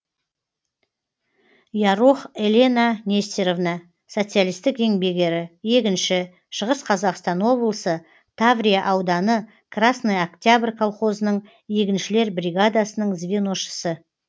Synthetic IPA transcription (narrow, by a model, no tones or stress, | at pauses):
jɑɾuχelʲe̞nanʲe̞st̪eɾo̞vnɑ | so̞t̪sɨjalijst̪ɪke̞ŋbe̞ɡʲe̞ɾɪje̞kʲɪnʃɪ | ʃəʁəsqʰɑzɑqst̪ɑnwo̞blˠəsə | t̪ʰavɾʲijaʔɑwd̪ɑnə | kʰrasnəjakt̪ʲjabrʲkʰalˠχo̞zənəɴ | je̞kʲɪnʃɪle̞ɾbrʲiɡad̪asənəɴzvʲenoʃə̥sə